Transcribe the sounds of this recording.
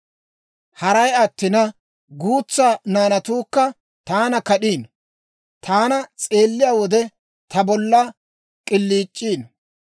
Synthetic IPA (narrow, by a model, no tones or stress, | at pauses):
hɐɾɐjɐt̪ːɪnɐ | ɡuːt͡sːaːnaːnɐt̪uːkːɐ | t̪aːnɐkɐɗiːn | t̪ʰaːnɐt͡sʼe̞ːlːɪjaːwɔd̪ɛ | t̪ʰɐbɔlːɐ | kʼɪlːiːt͡ʃʼːiːn